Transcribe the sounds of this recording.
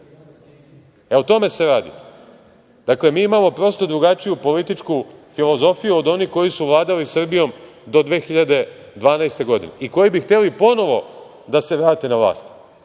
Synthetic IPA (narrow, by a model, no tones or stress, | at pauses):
eot̪o̞me̞seɾaːd̪ḭ | d̪̥akle̞miːimamo̞pɾo̞st̪o̞d̪ɾuɡat͡ʃijupo̞lit̪it͡ʃkufilˠo̞zo̞fijuo̞d̪o̞nihko̞jisuʋlˠaːd̪alisr̩bijo̞m | d̪o̞d̪ʋeːxiʎad̪e̞ | d̪ʋaːnajst̪e̞ɡo̞d̪inḛʔiko̞jibixt̪e̞lipo̞no̞ʋo̞ | d̪ase̞ʋɾaːt̪e̞naʋlˠa̰ːst̪